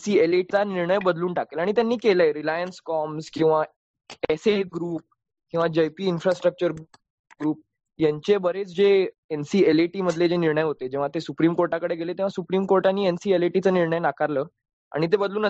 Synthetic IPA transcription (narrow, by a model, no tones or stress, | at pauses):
siːeleʈt͡saniɾɳəjbəd̪luːnʈakelaɽ̃it̪̬janːiːkeləeɾilajənskɔmskĩw̃ʋa | eseɡɾuːp̚ | kĩw̃ʋad͡ʑəjpiːnfɾasʈɾək̚t͡ɕəɾ | ɡɾuːp̚ | jãɲt͡ɕebəɾet͡sd͡ʑeensiːeleʈiːməd̪ʱled͡ʑeniɾɳəjɦot̪ed͡ʑẽʋ̤at̪esupɾiːmkoɾʈakəɽeɡelet̪ẽʋasupɾiːmkoɾʈanːiːensiːeleʈit͡səːniɾɳəjnakaɾləː | a̰ɽ̃it̪̬ebəd̪luːnə